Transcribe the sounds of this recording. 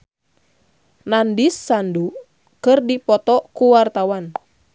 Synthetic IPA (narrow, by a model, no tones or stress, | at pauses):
nandisːandu | kɨrdipɔt̪ɔkuwart̪awan